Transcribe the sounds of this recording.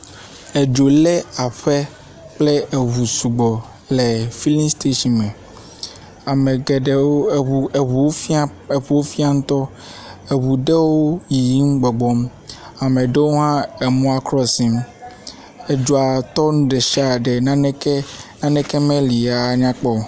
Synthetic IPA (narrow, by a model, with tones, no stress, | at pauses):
e˨d͡ʒo˨lɛ˦a˨ɸe˦ | k͡ple˦e˨βu˨su˨ɡ͡bɔ˨ | le˨fi˦lĩ˦st̪e˦ʃi˨nmɛ̃˨ | a˨me˨ɡe˨ɖe˦wo˦˨u˨u˨o˦e˨ɸu˨wo˦fi˦a˦ŋũ˦t̪ɔ˦ | e˨βu˨ɖe˦wo˦ji˨ji˦m̩˦ɡ͡bɔ˨ɡ͡bɔ˦m | a˨me˨ɖe˦wo˦ɦã˦e˨mɔ̃˦a˦˨kɾɔ˦si˦m | e˨d͡ʒo˨a˨t̪ɔ˦nũ˦ɖe˨ʃi˦a˨ɖɛ˨nã˦nɛ˦ke˦nã˦nɛ˦ke˦mẽ˦li˨a˨ɲã˦k͡pɔ˦˨